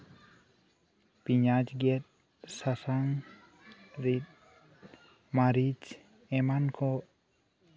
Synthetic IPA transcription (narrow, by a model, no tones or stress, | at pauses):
piɲad͡ʒɡet̪̚ | sasaŋ | ɾit̪̚ | maɾid͡ʒ | emankʰo